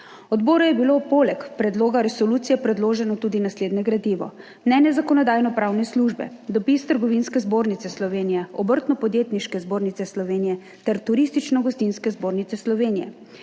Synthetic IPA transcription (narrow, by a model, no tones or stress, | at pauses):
ɔd̪boːɾɔjɛbilopoːlɛkpɾɛd̪loːɡaɾɛsɔlut̪sijɛpɾɛd̪loːʒɛnɔt̪uːd̪inasleːd̪nɛɡɾad̪iːʋɔ̰ | mnɛnɛzakɔnɔd̪aːjnɔpɾawnɛsluʒbɛ̰d̪ɔpist̪əɾɡɔʋinskɛzboːɾnit̪sɛslɔʋeːnijɛɔbəɾt̪nɔpɔd̪jeːt̪niʃkɛzboːɾnit̪sɛslɔʋeːnijɛ | t̪ɛɾt̪uɾist̪it͡ʃnɔɡɔst̪inskɛzboːɾnit̪sɛslɔʋeːnijɛ̰